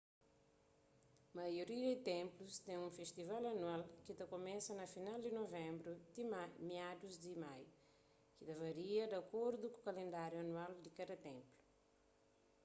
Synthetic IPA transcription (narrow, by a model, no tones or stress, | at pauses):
mɐjoɾiɐd̪it̪ẽmplust̪ɛ̃ũfest̪ivalɐnuwalkit̪ɐkomɛ̃sɐnɐfinald̪inovɛ̃mbɾud̪imamiad̪uzd̪imaj | kit̪ɐvɐɾiɐd̪ɐkoɾd̪uku̥kɐlẽnd̪aɾjuɐnwald̪ikad̪ɐt̪ẽmplu̥